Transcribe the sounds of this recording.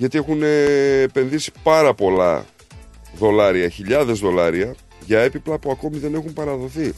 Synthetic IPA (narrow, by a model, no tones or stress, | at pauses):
ʝɐt̪ie̞xuneːpe̞nðisi̥pɐɾɐpo̞lɐ̰ | ðo̞lɐɾiɐçiʎɐðe̞zðo̞lɐɾiɐ | ʝɐe̞piplɐpuɐko̞miðe̞ne̞xumpɐɾɐðo̞θi